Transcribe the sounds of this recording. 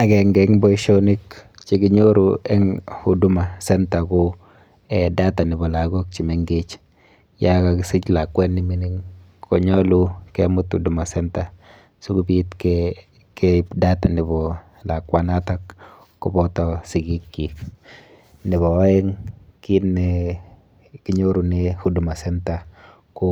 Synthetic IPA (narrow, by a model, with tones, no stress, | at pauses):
a˨kɛ˨ŋɡɛŋbɔ˦iʃo˦ni˦kt͡ʃi˦kɪ˦ɲo˦ɾuɛ˦ŋu˨du˦ma˨sɛ˦nta˨kʊ | ɛda˦ta˨nɪ˨bɔ˨la˨ɡo˦k̚t͡ʃi˨me˨ŋɡe˦t͡ʃ | ja˦ka˨kɪ˨sɪ˦t͡ʃla˨kwɛ˦nːɪ˨mi˦ni˦ŋ | kʰɔ˨ɲɔ˦lu˦kɛ˦mʊ˦tu˨du˨ma˨sɛnta˨ | su˦ku˦bi˦tkɛ | kɛda˦ta˨nɪ˨bɔ˨ | la˨kwa˦na˦ta˦kː | ɔ˦bɔ˦tɔ˨sɪ˨ɡi˦kːi˨ | nɪ˨βɔ˨˦ɛ˦ŋki˦nːɪ | kɪ˦ɲo˦ɾu˨nɪ˦hu˦du˨ma˨sɛ˦nta˨ | kʊ˦